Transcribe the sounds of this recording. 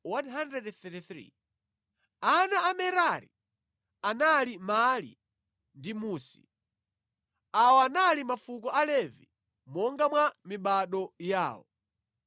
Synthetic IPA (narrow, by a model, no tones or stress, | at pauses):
wanɦandrɛdθɛtiθɾḭ | anaːmɛɾaɾḭ | analimalḭ | ndimuːsi̥̰ | awɔanalimafukɔʔalɛvḭ | mɔŋɡamwamiɓaɗɔja̰ːwɔ̰